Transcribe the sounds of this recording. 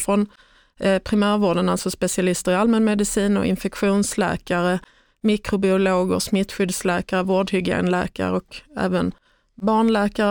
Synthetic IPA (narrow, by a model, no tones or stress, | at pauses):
fɾɔn | pʰɾɪmæːɾvoːɖənalsɔspɛsɪalɪst̪əɾɪalmənmɛd̪ɪsiːnɔ̰ʔɪ̰nfɛkɧuːnslɛ̰ːkaɾə | mɪkɾʊbɪʊloːɡə̰ɾsmɪt̪ːɧʏd̪slɛːkaɾəvoːɖhʏɡḛːnlæ̰ːka̰ɾəɔkɛ̰ːvən | bɑːɳlɛːkaɾ